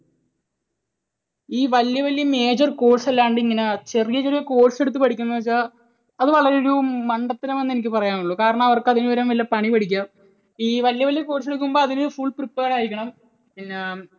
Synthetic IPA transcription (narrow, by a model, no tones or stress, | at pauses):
iːʋɐljɐʋɐlijɐme̞ːd͡ʑɐrko̞ːsɐlːaːuɳɖɨiŋːɐnet͡ɕe̞rijɐt͡ɕerijɐko̞ːʈse̞ɽut̪ːɨpɐɽʰikʲːunːɐɐt͡ɕːa | ɐðɨʋɐɭɐɾeoɾumɐɳɖɐt̪ːinɐmenːenik̬ʲːɨpɐrɐjaːnuɭːukaːɾɐɳɐmɐʋɐrkɨɐðinuʋɐɾɐmʋɐlːɐpɐɳipɐɽikʲːaːm | iːʋɐljɐʋɐljɐko̞ːʈseɽuk̬ʲːumbo̞ːɐðinɨfuɭpripːeːraːjikʲːɐɳɐm | pinːe